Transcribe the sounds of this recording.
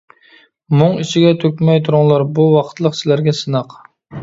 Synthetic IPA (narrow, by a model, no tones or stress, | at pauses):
mʊŋit͡ʃʰiɡʲɛt̪ʰøkʲmɛjt̪ʰuɾʊŋlˠɑɾbuwɑqʰt̪lˠəqsɪlæɾɡʲɛsɨnɑq